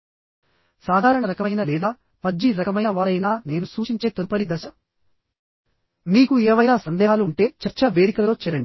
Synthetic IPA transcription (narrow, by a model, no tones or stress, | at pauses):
saːd̪ʱaːɾɐɳɐɾɐkɐɐjnɐlɛːd̪aː | pɐd͡ʒːiɾɐkɐmɐjɐʋaːɾɐjnaːne̞ːnusuːʃiɲt͡ʃe̞ːt̪oɾpɐɽid̪ɐʃɐ | niːkuɛːʋɐjnaːsɐnd̪ɛːɦaːluuɳʈe̞ːt͡ʃɐɾt͡ʃɐʋe̞ːd̪ikɐlɐlo̞ːt͡ʃɛɾɐɳɖi